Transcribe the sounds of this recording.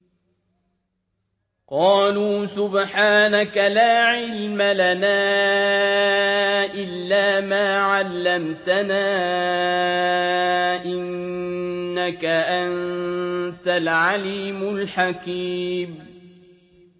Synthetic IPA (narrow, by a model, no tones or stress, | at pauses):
qɑːluːsʊbħaːnakalaːʕɪlmalanaː | ʔɪlːaːmaːʕalːamt̪anaː | ʔɪnː | akaʔan | t̪alʕaliːmʊlħakiːm